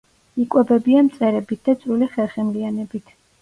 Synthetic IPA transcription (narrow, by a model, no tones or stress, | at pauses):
ikʼwɛbɛbiamt̪sʼɛɾɛbit̪̚ʰd̪at̪sʼɾuliχɛlˠχɛmlianɛbit̪ʰ